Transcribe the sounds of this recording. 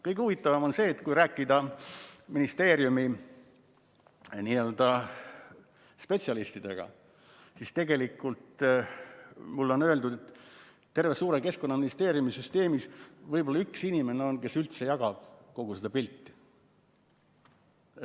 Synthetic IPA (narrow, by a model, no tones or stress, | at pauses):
kɤjɡ̥euvit̪ːˑɑvɑmo̞nse̞ːt̪ːkujɾæːkːˑid̪ɑ | minist̪e̞ːɾjumi | niːø̞ld̪̥ɑ | spe̞t̪siɑlist̪id̪̥e̞̰ɡ̥ɑ̰ | sist̪e̞ɡ̥e̞likːˑult̪ | mulːo̞nøe̞ld̪ud̪̥et̪ | t̪ːe̞rvesuːɾe̞ke̞sko̞nːɑminist̪e̞ːɾjumisyst̪e̞ːmisvɤjbo̞lːɑyksinime̞neo̞nke̞sylt̪se̞jɑɡɑb̥̚ko̞ɡ̥used̪̥ɑpilʲt̪ːi̥